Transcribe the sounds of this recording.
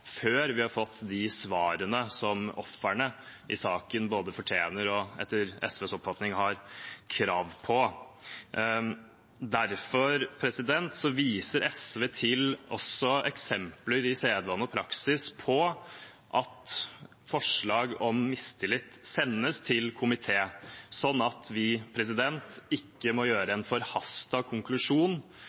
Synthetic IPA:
føːɾʋɪhɑɾfɔt̪ːd̪ɪsʋɑːɾənəsɔmɔ̰fːæɳəʔɪsɑːkənboːd̪əfɔʈʰjeːnəɾɔɛ̰t̪ːəɾɛ̰sʋɛːsɔpːfɑt̪nɪŋhɑɾkʰɾɑːʋpʰɔ | d̪æɾfɔɾpʰɾɛsɪd̪ɛnt̪sɔʋiːsəɾʔɛsʋeːt̪ʰɪlɔ̰sːɔɛksɛmpləɾɪseːd̪ʋɑnːɔpʰɾɑksɪspʰɔ | ʔɑt̪ | fɔʂɭɑːɡɔmːɪst̪ʰɪlɪt̪ːsɛnːəst̪ʰɪlkʰʊmɪt̪ʰeːsɔnːɑt̪ʰʋɪpʰɾɛsɪd̪ɛnt̪ɪkːəmɔjøːɾəɛnfɔɾhɑst̪ɑkʰʊŋklʉʂuːn

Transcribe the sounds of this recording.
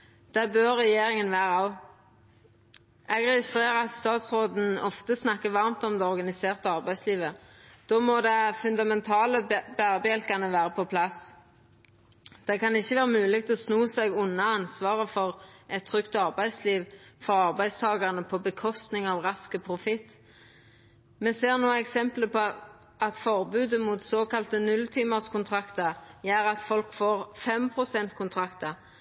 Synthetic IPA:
d̪̥ɛbøʁːɛjeːɾɪŋənʋæːʁəɑ | ɛɡʁɛɡɪst̪ʁeːʁəɑt̪st̪ɑːt̪sʁoːd̪n̩ɔft̪əsnɑkːəʋɑʁmt̪ɔmd̪ɛɔʁɡɑnɪseːʁt̪əɑʁbæɪsliːʋəd̪̥oːmɔd̪ɛfʉnd̪ɑmɛnt̪ʰɑːləbæʁbəjɛlkɑnəʋæːɾəpʰɔpʰlɑs | d̪̥ɛkɑnɪçːəʋæːʁəmʉːlɪɡ̚t̪ʰlɔsnuːsɛɡʊnːɑɑnsʋɑːʁəfɔʁɛt̪ʰːʁʏkt̪ɑʁbæɪsliːʋfɔɑʁbæɪst̪ʰɑːɡɑʁənəpʰɔbəkʰɔst̪nɪŋɑʋʁɑskəpʰʁʊfɪt̪ː | mɛseːʁnuːɛksɛmpləpʰɔ | ɑt̪fɔʁbʉːd̪əmut̪soːkʰɑlt̪ənʉlt̪ʰiːməʁskʊnt̪ʰʁɑkt̪əʁjæːɾɑt̪fɔlkfoːʁfɛmpʰʁʊsɛnt̪kʰʊnt̪ʰʁɑkt̪ə

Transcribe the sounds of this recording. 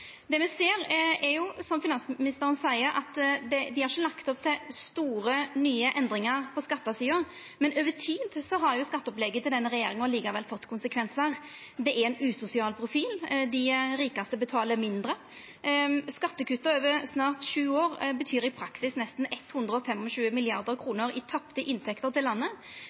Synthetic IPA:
d̪ɛmɛseːɾɛɾjʊsɔmfɪnɑnsmɪnɪst̪əɾənsæɪəɾɑ̰t̪d̪ɛd̪ɪhɑɾçəlɑkt̪ɔp̚t̪ʰɪlst̪uːɾənyːəʔɛnd̪ɾɪŋəɾpʰɔskɑt̪ːɑsiːə | mɛnøːʋətʰiːd̪sɔɦɑɾjʊskɑt̪ːəɔplɛɡət̪ʰɪld̪ɛnːəɾɛjeːɾɪŋəɔliːɡəʋɛlfɔt̪ːkʰʊnsəkʰʋɛnsəɾ | d̪ɛʔæɾɛnʉːsʊsɪɑːlpʰɾʊfiːld̪ɪɾiːkɑst̪əbət̪ʰɑːləmɪnd̪ɾə | skɑt̪ːəkʉt̪ːəɾøːʋəɾsnɑːʁt̪ʂʉːoːʁbət̪ʰyːɾɪpʰɾɑksɪsnɛst̪n̩ɛt̪ːhʉnd̪ɾəɔfɛmɔɕʉːəmɪlɪɑʁd̪əɾkʰɾuːnəɾɪt̪ʰɑpt̪əʔɪnt̪ʰɛkt̪əɾt̪ɪllɑnːə

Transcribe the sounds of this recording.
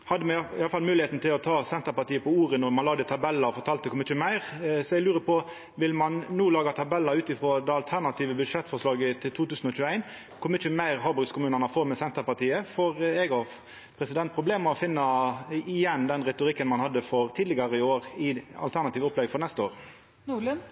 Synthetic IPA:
hɑd̪ːəmɛɪɑləfɑlmʉːlɪheːt̪n̩t̪ʰɪlɔt̪ʰɑːsɛnt̪əpɑt̪iːəpɔuːʁənɔɾmɑnɑːɡd̪ət̪ʰɑbɛlːɑɔfɔɾt̪ʰɑːlt̪əkʰɔmːɪçəmæɪʁsɔɛɡlʉːɾəpʰɔ | ʋɪlmɑnːuːlɑːɡɑt̪ʰɑbɛlːɑʉːt̪ɪfɾoːd̪ɛɑlt̪ʰæɾnɑt̪ʰiːʋəbʉd̪ʂɛt̪ːfɔɾʂɭɑːɡət̪ʰɪlt̪ʰuːt̪ʉːsn̩ɔc͡çʉːəæɪn | kʰɔmɪəmæɪʁɦɑːbʉɾɡskʰʊmʉːnɑnɑfɔɾmɛsɛnt̪əpɑt̪iːəfɔʁɛɡɑ | pʰɾɛsɪd̪ɛnt̪̚pʰʁʊbleːməɔfɪnːɑɪjɛnːd̪ɛnʁɛt̪ʊɾɪkːənmɑnhɑd̪ːəfɔʁt̪ʰiːd̪lɪɡɑʁəɪoːʁɪɑ̰lt̪ʰæɾnɑt̪iːʋəɔplɛɡfɔɾnɛst̪əoːɾ

